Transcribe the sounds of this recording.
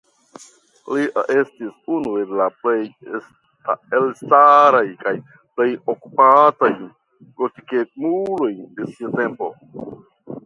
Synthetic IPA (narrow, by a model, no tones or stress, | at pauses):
lie̞stisunue̞laplejs | taelstaɾajkaj | ple̞joku̥pataj | pɾotikekmulo̞jde̞siate̞mpo̞̰